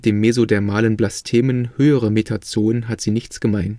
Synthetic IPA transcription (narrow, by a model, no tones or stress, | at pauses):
d̥eːmːezodɛːɐmaːlənblastʰeːmənhøːəʁ̞əmetʰat͡soːənɦatz̥iːnɪçt͡sɡ̥əmaɪn